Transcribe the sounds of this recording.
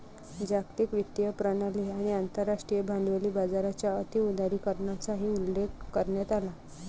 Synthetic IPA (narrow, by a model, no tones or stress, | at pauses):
d͡ʑakt̪iːkʋit̪ːijəpɾənaliːaɽ̃iant̪əɾːaʂʈɾijəbʱand̪ʋəliːbad͡zaɾat͡ɕjaət̪iud̪ʱaɾiːkəɾɳjat͡saɦiːulːekːəɾɳjat̪ala